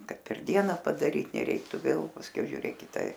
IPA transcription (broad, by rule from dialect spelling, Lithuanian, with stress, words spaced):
ˈkɐt pʲɛr ˈdʲiɛnɐ pɐdɐˈrʲiːt nʲɛˈrʲɛɪktʊ ˈʋʲeːlˠ pɐsʲˈkʲɛʊ ʒʲʊˈrʲeːk ˈkʲɪtɐ